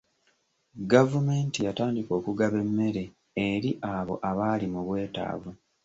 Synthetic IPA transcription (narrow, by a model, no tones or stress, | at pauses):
ɡavume̞ːntijataːndiko̞ːkuɡaβe̞mːe̞ɾe̞ | eɾiʔaβo̞̰ʔaβaːlimuβwe̞ːta̰ːvu